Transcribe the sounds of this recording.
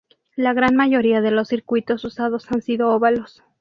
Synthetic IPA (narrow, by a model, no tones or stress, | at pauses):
laɣɾanmaʝoɾiaðelosːiɾkwit̪o̞susaðosansiðooβalos